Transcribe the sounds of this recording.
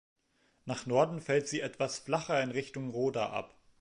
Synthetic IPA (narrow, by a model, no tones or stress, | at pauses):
naːχnɔɐdn̩fɛltz̥iːʔɛtv̥asflaχɐɪnʁɪçtʊŋʁoːda̰ʔa̰p